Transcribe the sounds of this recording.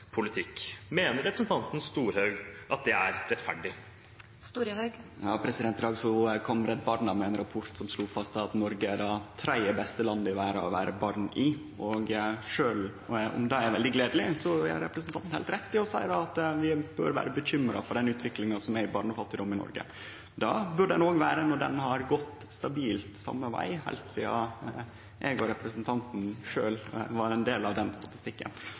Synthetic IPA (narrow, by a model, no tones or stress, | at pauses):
pʰʊlɪt̪ʰɪkːmeːnəɾɛpɾəsn̩t̪ɑnt̪n̩st̪uːɾhœɡʔɑt̪̚d̪ɛæɾɾɛt̪fæɖɪ | st̪uːɾœɡjɑːpʰɾɛsɪd̪ɛnt̪ɾɑːɡsɔkʰɔmɾɛd̪bɑɾnɑmɛɛnɾɑpʰʊɾt̪sɔmsluːfɑst̪ɑt̪nɔɾɡəæd̪ɑt̪ʰɾæɪəbɛst̪əlɑnd̪ɪʋæːɾəɔ̰ʋæ̰ːɾəbɑːɾnʔɪ | ɔɡʂøːlɔ̰md̪ɑæɾʋɛld̪ɪɡleːd̪əlɪsɔæ̰ɾɛ̰pɾəsn̩ɑnt̪n̩hḛːlt̪ɾɛt̪ːɪɔsæɪəd̪ɑɑt̪ʋɪbø̰ɾʋæ̰ːɾəbəçʏmɾɑ̰fɔɖɛnʉːt̪ʰʋɪklɪŋɑsɔmæɪbɑːɾɳɔfɑt̪ːɪd̪ʊmɪnɔ̰ɾɡə̰ | d̪ɑbʉɖɖɛnoːɡʋæːɾənɔɖɛ̰nɦɑɾɡɔt̪ː | st̪ɑbiːlt̪sɑ̰mːəʋæ̰ɪhæ̰ɪlt̪sḭːɑ̰ | ʔeːɡɔɾɛpɾəsənt̪ʰɑnt̪n̩ʂøːlʋɑɾɛnd̪eːlɑʋd̪ɛnst̪ɑt̪ɪst̪ɪkːə̰n